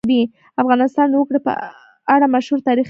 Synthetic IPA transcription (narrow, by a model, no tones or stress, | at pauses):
d̪i | afɣɑnɪst̪ɑnwəkɽəpə̰ | aɽamaʃhuɾt̪ɑɾix